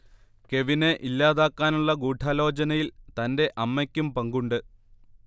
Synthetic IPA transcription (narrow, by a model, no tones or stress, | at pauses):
ke̞ʋine̞ʔilːaːðaːkːaːnuɭːɐɡuːʈʰaːlo̞ːd͡ʑɐnɐjilt̪ɐnde̞ʔɐmːɐkʲːumpɐŋɡuɳɖɨ